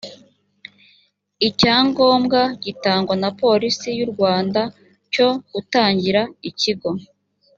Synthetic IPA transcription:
icaːŋɡo̞ːmɡaɟ̥itaːŋɡwanapo̞ɾisijuɾɡwaːnda | co̞ɡ̥utaːɲɟiɾaiciɡo̞

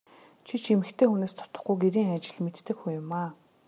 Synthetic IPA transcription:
t͡ɕʰit͡ɕʰimɘ̆xt̪ʰeːxuneːst̪ʰɔ̥t̪ɞ̆χɡujɡeɾiːŋat͡ɕɪ̆ɮmet̪ːɘ̆kxujʊmaː

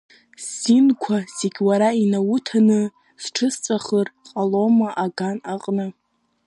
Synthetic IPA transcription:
sinkʷʰaz̥eɡʲwaɾainawutʰanɨ | sʈ͡ʂʰɨst͡sʷʼaχərqʼalomaʔaɡanaqʼnɨ

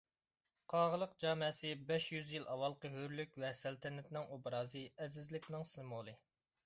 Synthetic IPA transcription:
qʰɑːʁəlˠəq̚d͡ʒɑːmɛsɨbɛʃjyzjilˠʔɑwɑlˠqəɦøɾlykʲvɛsælt̪ʰɛnɛt̪nɪŋʔobɾɑːzɨɛzɪzlɪkʲnɪŋsɪmolˠɨ

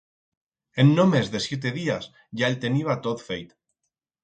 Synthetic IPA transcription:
enːomezðesjet̪̬eð̞ias | ʝaelt̪e̞niβ̞at̪ot̪fejt̪

